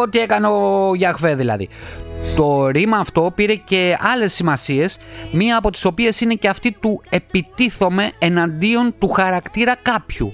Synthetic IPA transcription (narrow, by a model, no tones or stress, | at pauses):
o̞t̪ie̞kɐneoʝɐɣve̞ðilɐ̰ðḭt̪o̞ɾimɐːft̪o̞piɾe̞ce̞ɐle̞sːimɐsie̞smiɐːpo̞t̪i̥so̞pie̞sine̞ce̞ɐft̪it̪ue̞pit̪iθo̞me̞enɐnd̪io̞nt̪uxɐɾɐkt̪iɾɐkɐpçṵ